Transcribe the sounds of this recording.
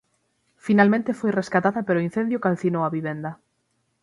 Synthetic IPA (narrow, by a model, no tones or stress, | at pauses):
finalmẽnt̪ɪfojreskat̪aðɐpeɾoin̟θend̪jokalθinowaβiβend̪ɐ